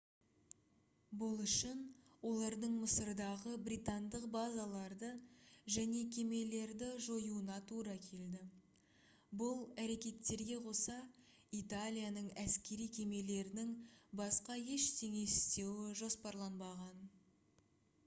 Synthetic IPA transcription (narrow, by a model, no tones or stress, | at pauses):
bʊlˠʏʃɪnwo̞lˠɑɾd̪əɴməsəɾd̪ɑʁəbɾijt̪and̪əqbazalˠɑɾd̪əʒæne̞kʲʰe̞me̞le̞ɾd̪ɪʒo̞juənɑt̪ʰuɾɑkʲʰe̞ld̪ɪ | bʊlˠæɾe̞kʲe̞t̪ːe̞ɾɡʲe̞qʰo̞sɑ | it̪alʲijanəɴæskʲe̞ɾijkʲʰe̞me̞le̞ɾɪnɪŋbɑsqɑje̞ʃt̪ʰe̞ŋe̞sɪ̥st̪e̞wɪʒo̞spɑɾlˠɑnbɑʁɑn